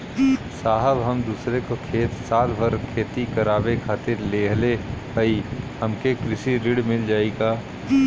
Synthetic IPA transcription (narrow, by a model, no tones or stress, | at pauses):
saːɦəbɦɐmd̪uːsɾekokʰeːt̪saːt̪bʱɐɾkʰeːt̪ikɐɾaːbekʰaːt̪eɾleːɦleɦəihɐmkekɾɪʃiɾɪɽmɪld͡ʒaːeɡaː